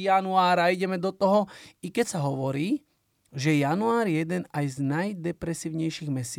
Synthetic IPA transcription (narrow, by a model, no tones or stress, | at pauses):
anuaːɾaiɟɛmɛd̪ɔt̪ɔɦɔikɛcsaɦɔʋɔɾiː | ʒɛjanuaːɾjjɛd̪ɛnajznajd̪ɛpɾɛsiːʊɲɛjʃiɣmɛsɪ